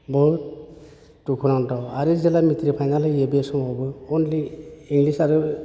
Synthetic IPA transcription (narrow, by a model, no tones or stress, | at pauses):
bɔ | tukʰunaŋtɔwaɾɯzɛlamit̪ɾipʰajnalɯebiesɔmɔbɯɔnliiŋɡlisaɾu